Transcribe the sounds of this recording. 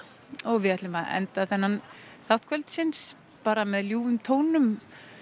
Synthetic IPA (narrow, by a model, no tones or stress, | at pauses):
ɔɣvɪðɛt̪lʏmaɛ̰nt̪aθɛnːanθawht̪kʰvɛlt̪sɪns | paːɾamɛðljuːvʏmt̪ʰoːwnʏm